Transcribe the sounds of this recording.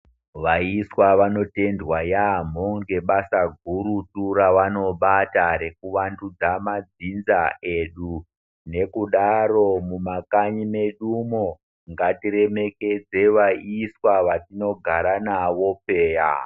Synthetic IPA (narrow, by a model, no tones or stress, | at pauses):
ʋaiswaʋano̞te̞ndwajam̤oŋɡe̞ɓasaɡʱuɾuturaʋano̞ɓataɾe̞kuʋandud͡zamad͡zinzae̞ɗu | ne̞kuɗaɾo̞mumakaɲime̞ɗumo | ŋɡatiɾe̞meke̞d͡ze̞ʋaiswaʋatino̞ɡʱaɾanaʋo̞pe̞ːja̰